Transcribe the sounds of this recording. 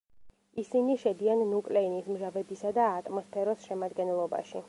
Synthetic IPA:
isiniʃɛd̪ianːukʼlɛinismʒavɛbisad̪aːt̪ʼmɔspʰɛɾɔsʃɛmad̪ɡɛnɛlˠɔba̰ʃi

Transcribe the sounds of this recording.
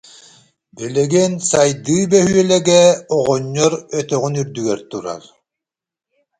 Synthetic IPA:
bɛlɛɡɛnsajd̪ɯːbœɦyœlɛɡɛɔʁɔɲːɔɾœt̪œɣynyɾd̪yɡɛɾt̪uɾa̰ɾ

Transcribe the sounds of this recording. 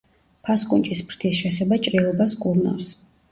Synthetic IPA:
pʰaskʼunt͡ʃʼispʰɾt̪ʰisʃɛχɛbat͡ʃʼɾilˠɔbaskʼuɾna̰fs

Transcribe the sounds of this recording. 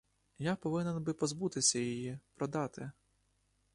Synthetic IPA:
japɔʋɪnɛnbɪpɔzbut̪ɪsʲɐjijipɾɔd̪ɑt̪ɪ

